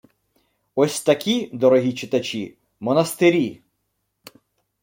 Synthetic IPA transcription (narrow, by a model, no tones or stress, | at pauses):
ɔsʲt̪ɐkʲid̪ɔɾɔɦʲit͡ʃɪt̪ɐt͡ʃʲi | mɔnɐst̪eɾʲi